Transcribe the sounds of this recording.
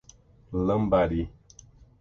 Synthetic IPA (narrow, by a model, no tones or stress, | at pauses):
ləmbaɾi